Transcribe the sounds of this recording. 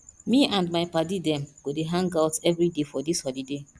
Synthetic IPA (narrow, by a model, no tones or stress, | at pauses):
miãndmaɪpadidɛ̃mɡodeɦãŋɡaʊtɛvɹidefɔdishɔlide